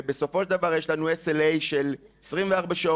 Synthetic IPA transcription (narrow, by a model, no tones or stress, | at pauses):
beso̞fo̞ʃeld̪avaʁjeʃlanueselejʃel | esʁimveaʁbaʃao